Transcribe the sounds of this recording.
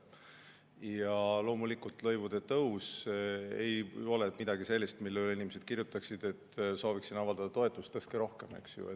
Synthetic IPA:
jɑlo̞ːmulikult̪lɤ̞jvud̪̥e̞t̪ɤwsḛjo̞lɛmid̪̥ɑɡ̥ise̞lʲːist̪milːelinʲimesed̪̥̚kirjut̪ːˑɑksid̪̥e̞t̪ːso̞ːviksinɑvɑld̪ɑd̪ɑt̪o̞e̞t̪ːˑust̪ːɤskeɾo̞hke̞me̞̰ksjṵe

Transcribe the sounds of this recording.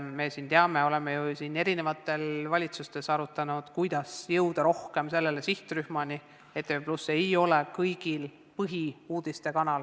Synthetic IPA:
me̞siːnt̪eɑme̞o̞le̞mejusine̞ɾine̞vɑt̪ːˑe̞lvɑlʲit̪sust̪e̞sɑɾut̪ːˑɑnud̪̥kujd̪ɑsjɤwd̪̥ɑɾo̞hke̞mse̞lːe̞le̞siht̪ryhmɑni | e̞t̪ːˑepluse̞jo̞lekɤjɡ̥il | pɤɦiuːd̪̥ist̪e̞kɑnɑl

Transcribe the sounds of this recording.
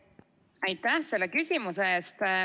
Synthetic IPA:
ɑjt̪ːæhse̞lːekysʲimuseeːst̪

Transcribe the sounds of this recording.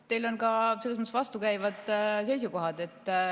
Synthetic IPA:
t̪e̞jlo̞nkɑselːsmɑt̪ːsvɑst̪ukæjvɑd̪̥se̞jsuko̞ɦɑd̪̥e̞t̪ː

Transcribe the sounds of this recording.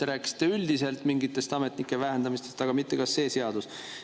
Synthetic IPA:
e̞ɾæːkːˑi̥si̥t̪ːˑe̞yld̪ise̞lt̪ˑmiŋɡit̪ːˑe̞st̪ɑme̞t̪nikːˑe̞væɦend̪ɑmist̪est̪ɑɡ̥ɑmit̪ːe̞kɑsːe̞ːse̞ɑd̪us

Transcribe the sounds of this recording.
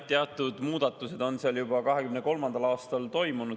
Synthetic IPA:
t̪ːeɑt̪ːˑud̪muːd̪̥ɑt̪ːˑuse̞d̪̥o̞nseɑljubɑkɑɦekymne̞ko̞lmɑnd̪ɑlɑːst̪ɑlt̪o̞jmunud̥̪

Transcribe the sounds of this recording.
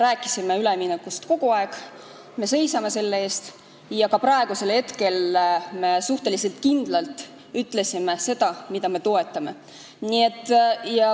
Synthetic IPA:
ɾæːkːˑi̥sime̞yleminekːˑust̪ko̞ɡ̥uɑeɡ | me̞se̞jsɑme̞se̞lːee̞ːst̪ | jɑkɑpɾɑeɡ̥use̞lhe̞t̪ke̞lme̞suht̪e̞lise̞lt̪̚kind̪̥lɑlt̪ˑ | yt̪ːˑle̞sime̞se̞d̪̥ɑmid̪̥ɑme̞t̪o̞e̞t̪ˑːɑme̞ | nie̞t̪ˑːjɑ

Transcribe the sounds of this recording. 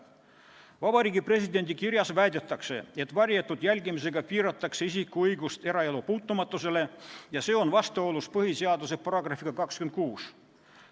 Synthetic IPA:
vɑbɑɾiːɡipre̞sid̪e̞nʲd̪ikirjɑsvæjd̪et̪ːˑɑkse̞̰e̞t̪ːˑvɑɾjet̪ːˑud̪̥jælʲɡimis̬e̞ɡ̥ɑpiːɾɑt̪ːˑɑkseis̬ikːˑuɤjɡust̪e̞ɾɑelupuːt̪ˑːumɑt̪ˑːuse̞le̞jɑse̞ːo̞nvɑst̪eo̞luspɤɦise̞ɑd̪use̞pɑɾɑɡ̥rɑfiɡ̥ɑkɑkskyment̪̚kuːs

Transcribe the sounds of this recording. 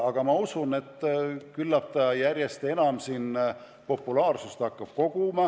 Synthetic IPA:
ɑɡ̥ɑmɑusune̞t̪ˑːkylːɑp̚t̪ɑjærʲje̞st̪e̞nɑmsiːn | po̞pːulɑːrsust̪ɑkːɑb̥ko̞ɡ̥umɑ

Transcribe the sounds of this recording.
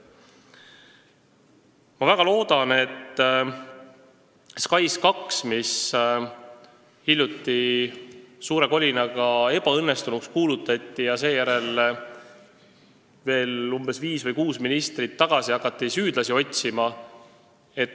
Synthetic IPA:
mɑvæɡ̥ɑlo̞ːd̪̥ɑne̞t̪ː | skɑjskɑksmis | hilʲjut̪ːi | suːɾe̞ko̞lʲinɑɡ̥ɑe̞b̥ɑɤnːe̞st̪unukskuːlut̪ːˑɑt̪ˑːijɑse̞ːjæɾe̞l | ve̞ːlumbe̞sviːsvɤjkuːsminist̪rit̪ːɑɡ̥ɑsiɑkːɑt̪ːisyːd̪lɑsio̞t̪ʲsimɑ | e̞t̪

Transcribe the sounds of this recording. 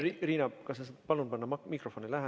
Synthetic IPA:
iriːnɑkɑsesɑt̪pɑlunpɑnːɑmɑmikrofonilæɦɛ

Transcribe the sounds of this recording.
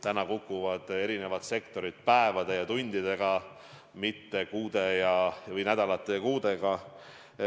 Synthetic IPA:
t̪ænɑkukːˑuvɑd̪̥e̞ɾine̞vɑt̪se̞kt̪o̞ɾit̪̚pæevɑd̪e̞jɑt̪unʲd̪̥id̪̥e̞ɡ̥ɑ | mit̪ːe̞kuːd̪e̞jɑvɤjnæd̪̥ɑlɑt̪ːˑe̞kuːd̪e̞ɡ̥ɑ

